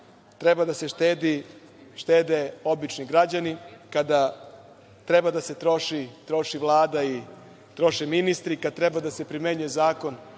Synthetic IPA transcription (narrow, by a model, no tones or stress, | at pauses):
t̪ɾebad̪aset̪ed̪i | ʃt̪eːd̪eo̞bit͡ʃniɡɾad͡ʑanikad̪a | t̪ɾebad̪ase̞t̪ɾo̞ʃit̪ɾo̞ʃiʋlˠaːd̪ai | t̪ɾo̞ʃeminist̪ɾikad̪̚t̪ɾebad̪ase̞pɾime̞ɲujezaːko̞n